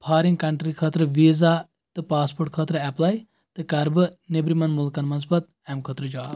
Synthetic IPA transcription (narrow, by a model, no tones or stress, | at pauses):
pʰaːɾiŋɡkɐɳʈɾikʰɐːt̪ɾɨʋiːza | t̪ɨpaːspoːɾʈ̚kʰɐːt̪ɾɨɛplaːj | t̪ɨkɐɾbɨnebɾimɐnmulkɐnmɐns̬bɐt̪̚ | ɛmkʰəːt̪ɾɨd͡ʒaː